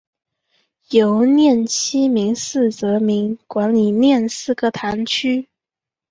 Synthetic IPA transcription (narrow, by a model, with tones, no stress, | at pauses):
jo˧˥ʊnjɛ˥˩nt͡ɕʰi˥mi˧˥ŋsɹ̩˥˩t͡sɤ˧˥mi˧˥ŋkwa˧˥nli˨˩njɛ˥˧nsɹ̩˥˩ɡə˨˩t̪ʰa˧˥nt͡ɕʰy˥